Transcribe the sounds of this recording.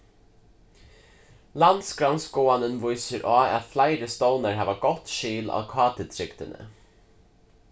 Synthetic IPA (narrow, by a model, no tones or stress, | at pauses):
land̪sɡɾansɡoːanənvʊjsəɾʔɑːæ̰t̪flaɪɾəst̪ɔwnaɹɦæːʋaɡɔt̪ʃiːlɑ̰ːkʰɑːt̪ət̪ʰɾɪkt̪ənə̰